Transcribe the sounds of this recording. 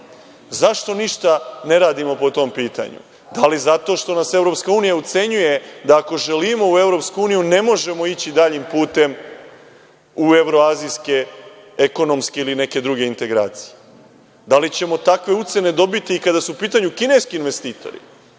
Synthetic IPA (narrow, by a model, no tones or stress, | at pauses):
zaʃt̪o̞niʃt̪ane̞ɾaːd̪imo̞po̞t̪o̞mpiːt̪a̰ɲṵ | d̪alizat̪o̞ʃt̪o̞nase̞ʋɾo̞pskauːnijaut̪se̞ɲuje̞d̪aːko̞ʒelimo̞ue̞vɾo̞pskuuːnijune̞mo̞ʒe̞mo̞it͡ɕid̪aʎimpuːt̪e̞m | ue̞ʋɾo̞aːziske̞ | eko̞no̞mskeiline̞ke̞d̪ɾuɡe̞int̪e̞ɡɾa̰ːt̪si̥je | d̪alit͡ɕe̞mo̞t̪akʋe̞ut̪se̞ne̞d̪o̞bit̪iːkad̪asuupiːt̪aɲukine̞jskiːnʋe̞st̪iːt̪o̞̰ɾḭ